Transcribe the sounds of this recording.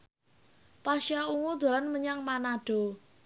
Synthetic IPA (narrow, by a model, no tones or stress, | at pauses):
paʃauŋud̪̥a̤lanməɲaŋmanaɖ̥ɔ̤